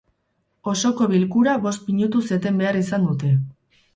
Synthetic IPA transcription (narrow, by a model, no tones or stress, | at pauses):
o̞so̞ko̞βilkuɾaβo̞st̪miɲut̪use̞t̪e̞mbe̞aɾisand̪ut̪e̞